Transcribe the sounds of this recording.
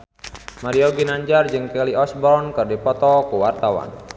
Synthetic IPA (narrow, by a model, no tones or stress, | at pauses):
maɾiɔɡinaɲd͡ʒard͡ʒɨŋkɛliɔsbɔrnkərdipɔt̪ɔkuwart̪awa̰n